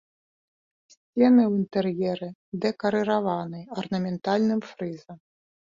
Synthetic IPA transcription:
sʲt͡sʲɛnɨwint̪ɛrjɛɾɨd̪ɛkɐɾɨɾavanɨjɐrnɐmʲɛnt̪alʲnɨmfɾɨzɐm

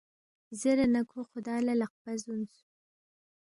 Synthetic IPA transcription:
zəɾanakʰoxʊd̪ɑlalaq̚bazunsu

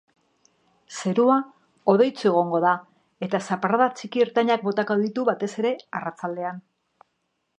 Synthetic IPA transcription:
se̞ɾua | o̞ð̞e̞jt͡sue̞ɣ̞o̞ŋɡo̞ða | e̞t̪asapaɾaðat͡sikieɾt̪aɲak̚bo̞t̪ako̞ðit̪uβat̪e̞se̞ɾe̞arat͡sald̪e̞an

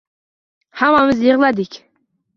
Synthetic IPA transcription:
hamamɪzjeʁlˠad̪ɪkʲ

